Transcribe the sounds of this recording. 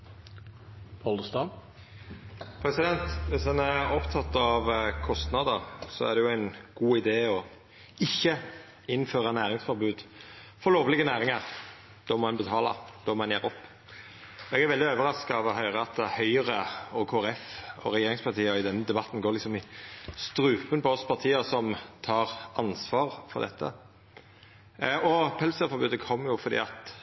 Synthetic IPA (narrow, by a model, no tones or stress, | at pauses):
pʰɔld̪st̪ɑ | pʰɾɛsɪd̪ɛnt̪ʋɪshɑnæɾɔpt̪ʰɑt̪ːɑʋkʰɔst̪nɑd̪əɾsɔæ̰ʁd̪ɛjʊæɪnɡ̥uːɪd̪eːɔ | ɪçːə | ɪnːføːɾɑnæːʁɪŋsfɔɾbʉːd̪ | fɔɾloːʋəlɪɡənæːɾɪŋɑɾ | d̪̥ɔmɔɛnbət̪ʰɑːlɑ̰d̪̥ɔmɔɛnjæːɾɔpː | ɔɛɡæɾʋɛld̪ɪøːʋəɾɑskɑɑʋɔɦœʏʁəɑt̪̚əhœʏəɾəokʰoːæɛfɔ̰ɾɛjeːɾɪŋspʰɑʁt̪ʰiːəɔɪd̪ɛnːəd̪ɛbɑt̪ːn̩ɡoːɾlɪksɔmɪst̪ɾʉːpənpɔɔspʰɑʁt̪ʰiːəsɔmt̪ʰɑːɾɑnsʋɑːɾfɔ̰ɾd̪ɛ̰t̪ʰːə̰ | ɔpʰɛlsəfɔɾbʉːd̪əkʰɔmːjʊfɔɾd̪ḭːɑt̪